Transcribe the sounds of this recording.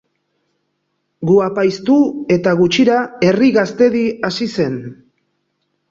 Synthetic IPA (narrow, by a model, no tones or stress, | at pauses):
ɡuapajst̪ue̞t̪aɣ̞ut͡ʃiɾae̞riɣast̪e̞ðiasise̞n